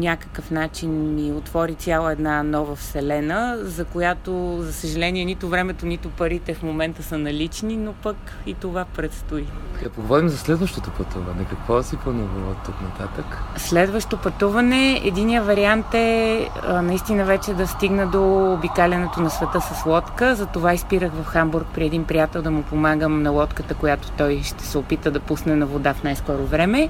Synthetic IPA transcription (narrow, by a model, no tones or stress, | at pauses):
nʲakə̥kəfnat͡ʃinmiot̪vɔɾit̪ʲjalˠəɛd̪nanɔvəfsɛlɛnəzɐkojat̪ozɐsəʒɐlɛniɛnit̪ʊvɾɛmɛt̪onit̪ʊpɐɾit̪ɛfmomɛnt̪əsənɐlit͡ʃninopək | it̪ovapɾɛt̪st̪oikɐpoɡovɔɾimzɐslɛd̪vəʃt̪ot̪opɐt̪uvɐnɛkɐkvɔɛsipɔnɔvɔt̪ːuknɐt̪at̪əkslɛd̪vəʃt̪opɐt̪uvənɛɛ̰d̪inijəvɐɾiant̪ɛ | nɐist̪inəvɛt͡ʃɛd̪ɐst̪iɡnəd̪oːbikalʲɐnɛt̪onɐsvɛt̪əsɐslˠɔt̪kəzɐt̪ovaispiɾəxvɐfxambuɾk̚pɾiɛd̪inpɾijat̪ɛlˠd̪ɐmʊpomaɡəmnɐlˠɔt̪kət̪əkojat̪o̥t̪ɔjʃt̪ɛ̥sɛopit̪əd̪ɐpusnɛnɐvod̪afnajskɔɾovɾɛmɛ